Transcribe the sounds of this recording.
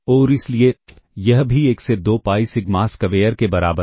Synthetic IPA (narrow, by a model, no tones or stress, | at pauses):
ɔːɾɪslie | jɐɦbʱieːksed̪oːpaːisɪkmaːskɐʋeːjəɾkebɐɾa̰ːbə